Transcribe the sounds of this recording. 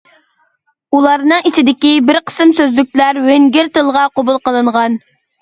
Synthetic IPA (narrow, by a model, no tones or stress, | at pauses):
ulˠɑɾnɨŋit͡ʃ̪ɪd̪ɪkʲibɪɾqʰə̥sɨmsøzlyk̚ʲlæɾweŋɡʲɪɾt̪ɨlˠʁɑqobulˠqəlˠɨɴʁɑn